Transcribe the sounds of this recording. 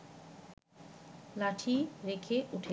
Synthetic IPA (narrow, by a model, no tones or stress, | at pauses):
laʈʰiɾekʰeʔuʈʰe